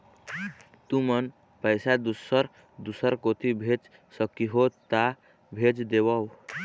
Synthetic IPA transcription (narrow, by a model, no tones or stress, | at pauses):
t̪umən | pəɪsad̪usəɾ | d̪usəɾkot̪ʰibʱed͡ʒ | səkːiɦot̪a | bʱed͡ʒd̪ebəw